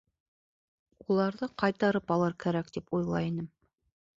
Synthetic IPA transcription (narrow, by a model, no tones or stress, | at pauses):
ulˠɑɾðɤqɑjt̪ɑɾɤpɑlˠɤɾkæɾæk̚d̪ipujlˠɑ̰inɘm